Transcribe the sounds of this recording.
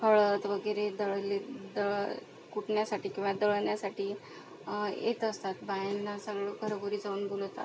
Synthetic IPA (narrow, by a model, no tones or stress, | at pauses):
kʰəɭət̪ʋəɡəjɾed̪əɭəled̪əɭə | kuʈɳjasaʈiːkʲũʋad̪əɭənjasaʈiː | jḛt̪əst̪at̪bajenːasəɡɭokəɾəboɾiːd͡zauːnbolt̪a̰t̪